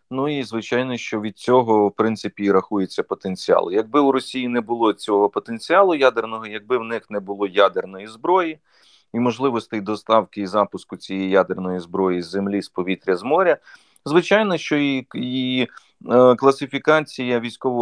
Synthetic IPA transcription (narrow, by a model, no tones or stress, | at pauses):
nuizʋɪt͡ʃɑjnɔʃt͡ʃɔʋʲid̪̚t͡sʲɔɦɔwpɾɪnɪpʲiɾɐxujet͡sʲːɐpɔt̪enʲt͡sʲiɑ̰lˠɪjɐɡ̚bɪwɾɔsʲijinɛbʊlˠɔt͡sʲɔɦɔpɔt̪ent͡sʲiɑlˠʊjad̪ernɔɦɔjɐɡ̚bɪwnɪxnɛbʊlˠɔjad̪ernɔjizbɾɔji | imɔʒlˠɪʋɔst̪ɪjd̪ɔst̪ɑwkɪizɑpʊskʊt͡sʲijɛjjad̪ernɔjizbɾɔjizemlʲispɔʋʲit̪ɾʲɐzmɔɾʲɐ | zʋɪt͡ʃɑjnɔʃt͡ʃɔii | klˠɐsɪfʲikɑt͡sʲijɐʋʲijsʲkɔʋɔ